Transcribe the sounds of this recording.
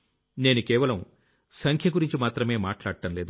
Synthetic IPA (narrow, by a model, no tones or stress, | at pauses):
ne̞ːnukɛːʋɐlɐm | sɐŋkʰjɐɡuɾiɲt͡ʃimaːt̪ɾɐme̞ːmaːʈlaːɽɐʈɐmle̞ːd̪u